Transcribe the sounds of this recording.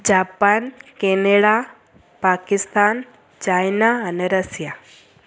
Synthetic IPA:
d͡ʑapankeneɽa | pakist̪an | t͡ɕajnaːneɾəsja

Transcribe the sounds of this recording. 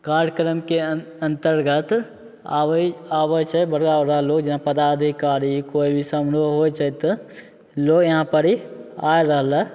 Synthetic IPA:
kaːɾɾkɾəmke | ə̃nt̪əɾɡət̪ː | abət͡ʃʰəbəɽɡaɾaloːɡd͡ʒɪnapəd̪ad̪ʱikaːɾikoːibʱisəmɽoɦojt͡ʃʰət̪ | loːɡjəɦãpəɾiajɾəɦlə

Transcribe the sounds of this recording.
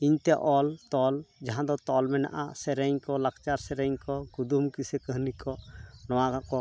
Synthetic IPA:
iɲt̪ɛʔɔlt̪ɔld͡ʒaɦãd̪ɔt̪ɔlmɛna̰ʔa̰sɛɾɛɲkɔlakt͡ʃaɾsɛɾɛɲkɔɡud̪umkisɛkəɦnikɔnɔwakakɔ

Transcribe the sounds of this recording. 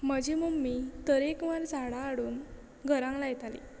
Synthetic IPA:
məd͡ʑimumːit̪əɾekʋaɾd͡zʱaɽaːɽuːn | ɡʱəɾãŋlajt̪alḭ

